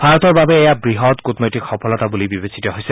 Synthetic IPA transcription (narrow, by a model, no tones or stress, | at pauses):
bʱaɹɔtɔɹbabɛːjabɹiɦɔtkutnojtikxɔpʰɔlɔtabulibibesitɔɦojsɛ